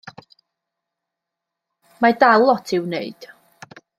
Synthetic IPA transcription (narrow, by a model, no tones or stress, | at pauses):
madalˠːɔtʰɪwnḛɨd̥